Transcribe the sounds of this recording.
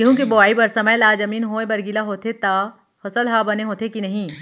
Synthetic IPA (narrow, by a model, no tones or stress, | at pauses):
eɦũkeboaːibɐɾsɐməjlaːd͡ʒɐmiːnɦoẽbɐɾɡilaɦoːt̪ʰet̪a | hosəlɦaːbɐneɦoːt̪ʰekinɐɦĩː